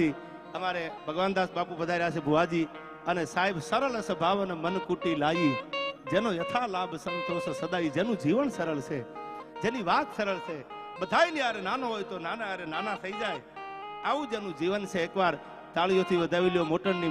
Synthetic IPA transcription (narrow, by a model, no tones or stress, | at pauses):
i | əmaɾebʱəɡʋand̪asbapupəd̪ʱaɾas̬ebʱuʋad͡ʒi | ənesaɦibsəɾələsəbʱaʋnemənkuʈilajid͡ʒenojət̪ʰalaːbʱsəmt̪ʰosəsəd̪aid͡ʒenũd͡ʒiʋənsəɾəlt͡ʃʰed͡ʒeniʋat̪səɾəɭsʰe | ɓəd̪ʱajniaɾenanoɦojt̪onanaaɾenanat̪ʰəid͡ʒajaʋũd͡ʒenũd͡ʒiʋənt͡ʃʰeːkʋaɾ | t̪aɭijot̪ʰiʋəd̪ʱaʋiljomoʈəɳni